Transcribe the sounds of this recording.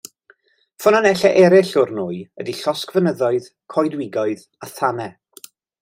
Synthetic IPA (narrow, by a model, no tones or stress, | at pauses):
fʊnanɛɬɛʔɛɾɪɬʊrnuːɨədiɬɔskvənəðɔɨð | kʰɔjdwɪɡɔɨð | aθanɛ